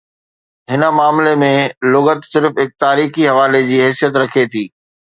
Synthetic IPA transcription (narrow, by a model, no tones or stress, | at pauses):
ɦɪnə̆maːmlemẽlʊɣət̪sɪɾfɦɪk̚t̪aːɾiːxiɦɐʋaːled͡ʑiːɦɛːsijət̪ɾɐkʰet̪ʰiː